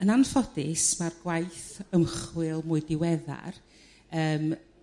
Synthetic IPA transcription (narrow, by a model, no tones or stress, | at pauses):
ənanfɔdɪsmarɡwajθəmχwɪlˠmʊɨdɪwɛða̰r | əːm